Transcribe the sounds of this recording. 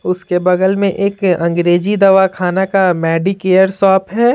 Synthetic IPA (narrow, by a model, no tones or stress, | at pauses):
ʊskebɐɡəlmẽʔeːkɐ̃ŋɡɾeːd͡ʒid̪ɐʋakʰaːnakamɛːɖikeːjəɾsɔːpɦɛː